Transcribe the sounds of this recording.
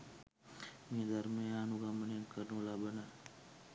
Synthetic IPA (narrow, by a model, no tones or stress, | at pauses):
mĩːd̪əɾmẽanuɡamənenkəɾnũːlaːbənaː